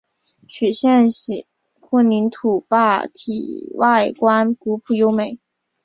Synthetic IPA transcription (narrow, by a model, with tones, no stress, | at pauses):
t͡ɕʰy˨˩ɕjɛ˥˩nɕi˨˩ | xə˥˩ni˧˥nt̪ʰu˨˩pa˥˩t̪ʰḭ˨˩wʔa˥˩ɪkwa˥nku˧˥pʰu˨˩jo˥ʊme˨˩ɪ